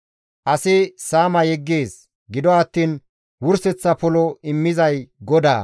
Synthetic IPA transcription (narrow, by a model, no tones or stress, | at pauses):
ʔɐsɪsaːmɐjɛɡːeːs | ɡɪd̪ɔɐt̪ːiːn | wʊɾsɛt͡sːɐpɔlɔɪmːɪzɐjɡɔd̪a̰ː